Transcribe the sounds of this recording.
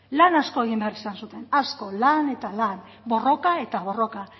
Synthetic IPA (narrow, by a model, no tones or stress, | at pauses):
lanasko̞e̞ɣ̞imbearisansut̪e̞nasko̞lane̞t̪alan | bo̞ro̞kae̞t̪aβo̞ro̞ka